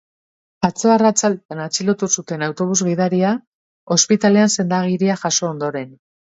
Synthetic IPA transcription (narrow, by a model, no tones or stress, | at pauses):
at͡so̞arat͡salanat͡silot̪usut̪e̞nawt̪o̞β̞uzɣið̞aɾia | o̞spit̪ale̞anse̞nd̪aɣ̞iɾiaxaso̞ːnd̪o̞ɾe̞n